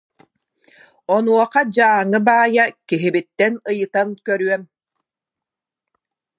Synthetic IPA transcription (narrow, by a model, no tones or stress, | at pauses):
ɔnuɔqad͡ʑaːŋɯbaːjakiɦibit̪ːɛnɯjɯt̪ankœɾyœm